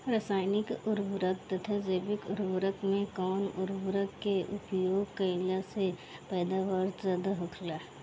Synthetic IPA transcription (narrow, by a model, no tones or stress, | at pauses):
ɾəsaːɪnɪkʊɾʋɾək̚t̪ɐt̪ʰad͡ʒeːbɪkʊɾʋɾəkmẽkɔːnʊɾʋɾəkːeʔʊpjoːɡkəlasepɛːd̪aːʋəɾzaːd̪aɦʊkʰlaː